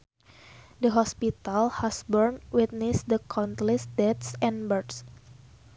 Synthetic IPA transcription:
dəɦɔspit̪alhasbɔrnwit̪̚nisdəkʰɔnt̪lisdɛt̪sɛ̃nbərds

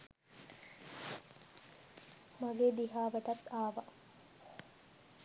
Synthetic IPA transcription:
maɡeːd̪iɦaːʋæʈ̪ɐt̪ːaːʋɐ

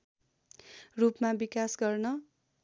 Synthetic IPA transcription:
rupmabikasɡʌrnʌ

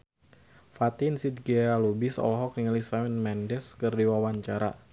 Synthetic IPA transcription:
fat̪ɪnsit̪̚ɡialubisɔ̰lɦɔk̚niŋalisamɛnmɛndɛskɨrdiwawaɲt͡ʃaɾa̰

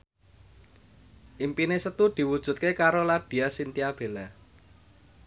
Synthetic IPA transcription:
ʔimpinesət̪ud̪̥i̤wud̥ʒ̥ṳt̪̚kekaɾolaɖ̪̥i̤asint̪iab̥e̤la

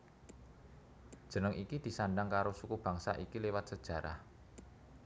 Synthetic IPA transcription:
d̥ʒ̥ə̤nəŋikid̪̥i̤sanɖaŋkaɾosukub̥a̤ŋsa̰ʔikilewat̪̚səd̥ʒ̥ä̤ɾa̰h

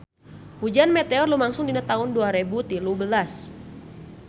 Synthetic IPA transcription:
hud͡ʒanmɛt̪eɔrlumaŋsʊŋdinat̪aɦʊnduaɾebut̪ilubəlas

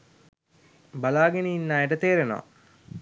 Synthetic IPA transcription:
balaːɡeniinːaːeʈət̪eːɾeno̰a̰

